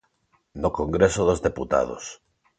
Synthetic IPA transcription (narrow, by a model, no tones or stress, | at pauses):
nokõŋɡɾesoðozðeput̪a̰ð̞o̰s